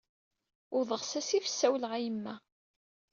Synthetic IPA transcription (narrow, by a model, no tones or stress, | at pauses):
ʊɾðˤəʁsæsifə̥sːæwlʁæjəmːæ